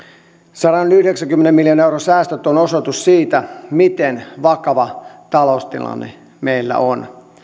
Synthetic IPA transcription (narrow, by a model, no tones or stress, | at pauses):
sɑɾɑnyhdeksæŋkymːenemiljɑnewɾrosæːst̪øt̪ːonosot̪ussiːt̪æmit̪enʋɑkɑʋɑt̪ɑloust̪ḭlɑ̰nːḛ | meilːæ̰ʔon